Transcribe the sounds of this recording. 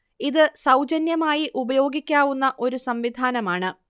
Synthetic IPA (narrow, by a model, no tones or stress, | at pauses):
iðɨsɐwd͡ʑɐnjɐmaːjiʔubɐjo̞ːɡikʲːaːʋunːɐʔo̞ɾusɐmʋid̪ʱaːnɐmaːɳɨ